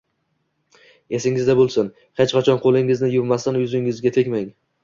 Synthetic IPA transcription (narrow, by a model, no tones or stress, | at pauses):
e̞sɪŋɪzd̪abolˠsɪn | het͡ʃqɑt͡ʃʰɒnqʰolˠɪŋɪznɪjʊvmast̪anjʊzɪŋɪzɡʲat̪ʰe̞kʲmaŋ